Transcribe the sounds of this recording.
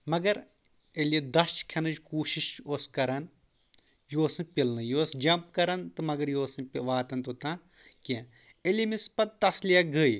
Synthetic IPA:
mɐɡɐɾ | eled̪ɐst͡ʃkʰɐnɨd͡ʒʲkuːʃiʃoːskɐɾɐn | joːsɨpʲilnɨjoːsd͡ʒɐmp̚kɐɾɐnt̪ɨmɐɡɐɾjoːsɨnpiʋaːt̪ɐnt̪ot̪ãː | kẽ | elimispɐt̪̚t̪ɐslijɐɡəj

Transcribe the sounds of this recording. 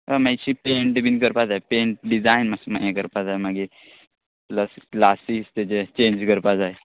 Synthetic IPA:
əmajt͡ɕipeɳʈbʱinkəɾpad͡zaepeɳʈ̚ɖid͡zajnmasma̰jãkəɾpad͡zajmaɡi | ləsklasist̪et͡ɕet͡ɕend͡ʑkəɾpad͡zaj

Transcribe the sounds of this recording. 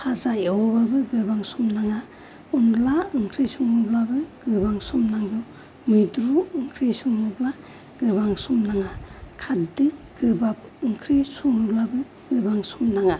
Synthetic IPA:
pʰazajawɔbabɯɡɯbaŋsumnaŋa | unlaɯŋkʰɾisuŋɯblabɯɡ̥ɯbaŋsumnaŋɡɯ | mɯjdɾuɯŋkʰɾisuŋɯbla | ɡ̥ɯbaŋsumnaŋakʰatdiɡ̥ɯbap̚ɯŋkʰɾisuŋɯblabɯ | ɡ̥ɯbaŋsumnaŋa

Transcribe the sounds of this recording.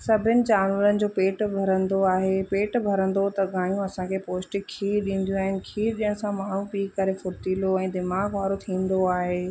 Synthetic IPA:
sɐbʱɪnɪ̆t͡ɕaːnʋələnɪ̆d͡ʑoːpeːʈbʱɐɾə̃nd̪oaːɦepeːʈbʱɐɾə̃nd̪ot̪ɐɠaːijũɐsãkʰepoːsʈɪkʰiːɗĩːn̆d̪jũaːɦɪnɪ̆kʰiːɗɪ̃ːɦsãmaːɳ̤ũpiːkːɐɾefʊɾt̪iːloɛ̃ːd̪ɪmaːɡʋaːɾot̪ʰĩːn̆d̪oaːɦeː

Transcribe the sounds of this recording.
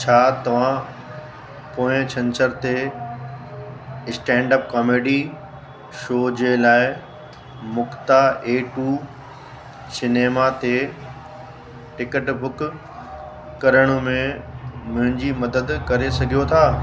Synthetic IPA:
t͡ɕʰaːt̪ɐʋ̤ã | poːɪ̃t͡ɕʰɐ̃nsəɾt̪e | ɪsʈɛ̃ːɳɖəp̚kɔːmeːɖi | ʃoːd͡ʑelaːɪ | mʊkt̪aeːʈuː | sɪneːmat̪e | ʈɪkəʈbʱʊk | kɐɾəɽ̃ũmẽmʊ̃ɦɪ̃ɲd͡ʑimɐd̪əd̪kɐɾesɐɡʱijot̪ʰaː

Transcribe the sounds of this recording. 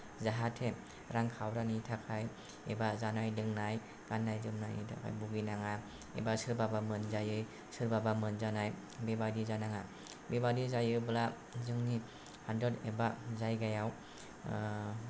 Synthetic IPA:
zaɦatʰe | ɾaŋkʰawɾanitʰakʰaj | ḛbazanajdɯŋnaj | ɡ̥anːajzɯmnajnḭtʰa̰kʰa̰jbuɡinaŋa | ḛbasɯɾbabamɯnzajɯj | sɯɾbabamɯnzanaj | bebadizanaŋa | bebadizajɯbla | zɯŋni | handedebazajɡajaw

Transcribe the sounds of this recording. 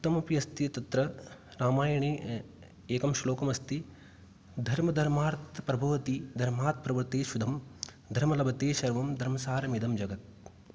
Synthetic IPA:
ut̪ːɐmɐpiɐst̪iɐt̪ɐt̪ɾɐɾaːmaːjɐɳeː | eːkɐmʃloːkɐmɐst̪i | d̪ʱɐɾmɐd̪ʱɐɾmaːɾt̪pɾɐbʱɐʋɐt̪id̪ʱɐɾmaːɾt̪̚ʰpɾɐʋɐɾt̪eːʃud̪ʱɐm | d̪ʱɐɾmɐlɐbɐt̪eːʃɐɾʋɐmd̪ʱɐɾmɐsaːɾɐmid̪ɐmd͡ʒɐɡɐt̪̚

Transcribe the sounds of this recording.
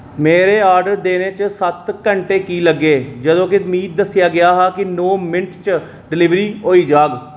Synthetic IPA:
meːɾeːaːɾɖəɾd̪eːneːt͡ʃsət̪kəɳʈeːkiːləɡːeːd͡ʒəd̪õːkɪʊmiːd̪̚ːəsjaːɡɪjaːɦaːkɪnoːmɪnʈt͡ʃ | ɖɪlɪʋɾiːɦoːiːd͡ʒaːɡ

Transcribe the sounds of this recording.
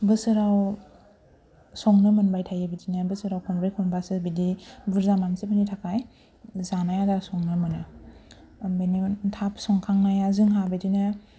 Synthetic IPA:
bɯsɯɾaw | sɔŋnɯmɯnbajtʰajɯbidinabɯsɯɾawkʰɔmpɾekʰɔnbasɯbidibɯɾzamansibinitʰakʰaj | zanajadasɔŋnɯmɯnɯ | benitʰapsɔŋkʰaŋnajazɯŋɦabidinɯ

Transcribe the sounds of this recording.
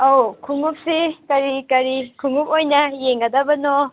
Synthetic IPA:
owkʰuŋup̚sikɐɾikɐɾikʰuŋupojnɐjeŋɡɐd̪ɐbɐno

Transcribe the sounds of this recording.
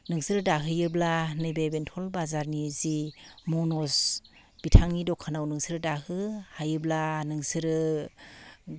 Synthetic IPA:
nɯŋsɯɾɯdaɦɯjɯblanɯbebentʰɔlbazaɾnizimɔnɔs | b̥itʰaŋnidɔkʰanawnɯŋsɯɾɯdaɦɯhajɯblanɯŋsɯɾɯ

